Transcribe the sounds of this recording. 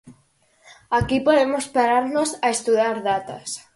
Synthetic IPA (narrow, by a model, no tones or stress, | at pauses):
akipoðemospaɾaɾnosaest̪uðaɾðat̪a̰s